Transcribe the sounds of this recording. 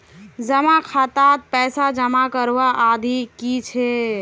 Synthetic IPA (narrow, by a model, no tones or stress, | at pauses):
d͡ʒəmakʰat̪at̪̚pɛsad͡ʒəmakəɾʋaʔːd̪ʱikit͡ʃʰe